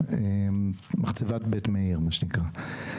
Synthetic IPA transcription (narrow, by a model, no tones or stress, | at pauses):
emmaχt͡sevat̪betmeiʁmaʃenikʁa